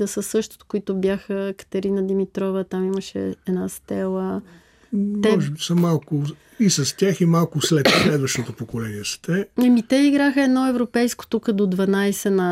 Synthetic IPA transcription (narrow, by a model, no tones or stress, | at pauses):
d̪ɐsəsɤʃt̪o̥t̪koit̪ʊbjaxəkə̥t̪ɐɾinəd̪imit̪ɾɔvət̪amiməʃɛ̰ɛd̪nast̪ɛlˠə | tmɛɔʒɛbisɐmalˠkʊ | isɐst̪ʲaximalˠkʊslɛt̪slɛd̪vəʃt̪ot̪opokolɛniɛsə̥t̪ɛɐmit̪ɛiɡɾaxəɛd̪nɔɛvɾopɛjsko̥t̪ukəd̪od̪vɐnajsɛnɐ